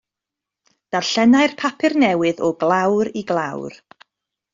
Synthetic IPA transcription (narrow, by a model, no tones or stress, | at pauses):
d̥arɬɛnajrpʰapʰɨrnɛwɨðɔɡlˠawɾiɡlˠawr